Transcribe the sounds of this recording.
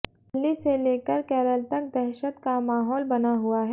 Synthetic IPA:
lːiseleːkəɾkɛːɾəlt̪ək̚d̪ɛɦʃət̪kamaːɦɔːlbɐnaɦuaɦ

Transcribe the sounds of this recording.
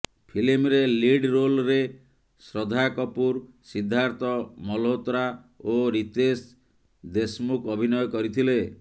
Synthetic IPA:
pʰilimɾeliɖɾolɾe | sɾɔd̪ʱakɔpuɾsid̪ʱːaɾt̪ɔmɔlɦot̪ɾa | oɾit̪es | d̪esmukɔbʱinɔjɔkɔɾit̪ʰile

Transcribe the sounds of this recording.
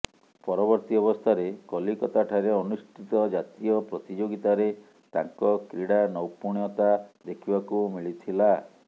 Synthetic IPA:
pɔɾɔbɔɾt̪iɔbɔst̪ʰaɾekɔlikɔt̪aʈʰaɾeɔnusʈʰit̪ɔd͡ʒat̪ijɔpɾɔt̪id͡ʒoɡit̪aɾe | t̪aŋkɔkɾiɽanɔwpuɳ̃jɔt̪ad̪ekʰibakumiɭit̪ʰila

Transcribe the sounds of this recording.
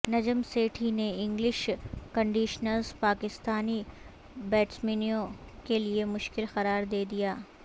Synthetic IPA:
nɐd͡ʒəmseːʈʰineɪ̃ŋɡlɪʃkɐ̃ɳɖiːʃnəlzpaːkɪst̪aːni | bɛːʈsmiːnijõkeliemʊʃkɪlxɐɾaːɾd̪eːd̪ijaː

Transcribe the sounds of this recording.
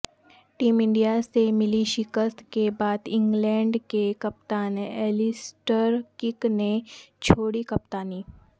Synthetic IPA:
ʈiːmɪ̃ɳɖijasemɪliʃɪkəst̪kebaːd̪ɪ̃ŋɡlɛ̃ːɳɖkekɐp̚t̪aːnɛːlɪsʈəɾkɪknet͡ʃʰoːɽikɐpt̪aːniː

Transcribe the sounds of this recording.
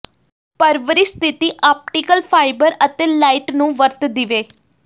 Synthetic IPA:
pəɾʋəɾist̪ʰɪt̪iːʔaːp̚ʈikəlpʰaːɪbəɾət̪eːlaːɪʈnũːʋəɾt̪d̪ɪʋeː

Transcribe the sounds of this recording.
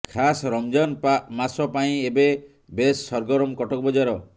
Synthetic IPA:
kʰasɾɔmd͡ʒanpmasɔpaĩebe | besːɔɾɡɔɾɔmkɔʈɔk̚bɔd͡ʒaɾɔ

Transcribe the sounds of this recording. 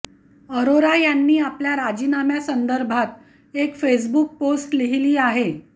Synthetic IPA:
əɾoɾajanːiːapljaɾad͡ʑiːnamjasənd̪əɾbʱat̪ | ekfes̬buk̚posʈliɦiliːaɦe

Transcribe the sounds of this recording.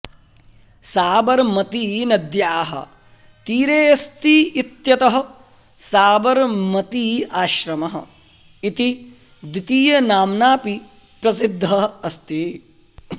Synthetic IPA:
saːbɐɾmɐt̪iːnɐd̪jaːɦɐ̰ | t̪iːɾeːɐst̪iːit̪jɐt̪ɐɦɐ̆ | saːbɐɾmɐt̪iːaːʃɾɐmɐɦɐ̰̆ | it̪i | d̪it̪iːjɐnaːmnaːpi | pɾɐsid̪ʱːɐɐst̪i

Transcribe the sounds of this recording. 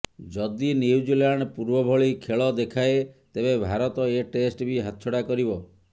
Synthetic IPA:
d͡ʒɔd̪iniwd͡ʒilaɳɖpuɾbɔbʱɔɭikʰeɭɔd̪ekʰaet̪ebebʱaɾɔt̪ɔeʈesʈbʱiɦat̪t͡ʃʰɔɽakɔɾibɔ

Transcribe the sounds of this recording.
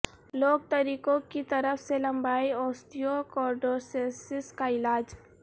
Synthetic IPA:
loːɡ̚t̪ɐɾiːkõkit̪ɐɾəfselɐ̃mbaːiɔːst̪ijokɔːɾɖoːsesɪskaɪlaːd͡ʒ

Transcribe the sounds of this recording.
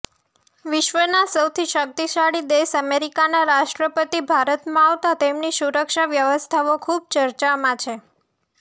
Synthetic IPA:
ʋɪʃʋənasəwt̪ʰiʃək̚t̪iʃaɽid̪eʃəmeɾikanaɾaʃʈɾəpət̪ibʱaɾət̪mãaʋt̪at̪emniʃuɾəkʃaʋjəʋəst̪ʰaokʰub̚t͡ʃəɾt͡ʃamãt͡ʃʰe

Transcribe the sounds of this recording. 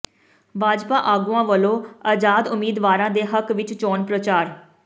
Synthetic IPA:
bʱaːd͡ʒpaːʔaːɡuãːʋəlõːaːd͡ʒaːd̪ʊmiːd̪ʋaːɾãːd̪eːɦəkʋɪt͡ʃt͡ʃɔːnpɾət͡ʃaːɾ

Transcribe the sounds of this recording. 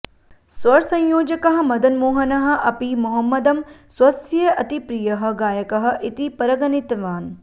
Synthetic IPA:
swɐɾsɐ̃ɲjoːd͡ʒɐkɐɦɐ̆mɐd̪ɐnmoːɦɐnɐɦɐ̆ʔɐpimuɦɐmːɐd̪ɐmswɐsjeʔɐt̪ipɾijɐɦɐ̆ɡaːjɐkɐɦɐ̆ʔit̪ipɐɾɐɡɐnit̪ʋaːn

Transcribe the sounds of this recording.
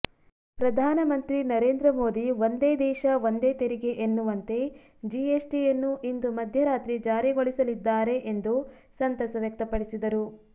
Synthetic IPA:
pɾɐd̪ʱaːnɐmɐnt̪ɾinɐɾeːnd̪ɾɐmo̞ːd̪iʋond̪eːd̪ɛːʃɐʋond̪e̞ːt̪eɾiɡe̞ʔenːuʋɐnt̪e̞ | d͡ʒiesʈijɐnːuʔind̪umɐd̪ʱjɐɾaːt̪ɾid͡ʒaːɾiɡoɭisɐlid̪ːaːɾe̞ʔend̪u | sɐnt̪ɐsɐʋek̚t̪ɐpɐɽisid̪ɐɾu

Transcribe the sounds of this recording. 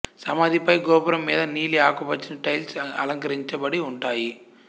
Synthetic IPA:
sɐmɐd̪ʱipɐjɡɔːpɐɾɐmːiːd̪ɐniːliaːkɐpɐt͡ʃːinɐʈɐjlsɐ̰lɐŋkɐɾiɲt͡ʃɐbɐɽiuɳʈaːji

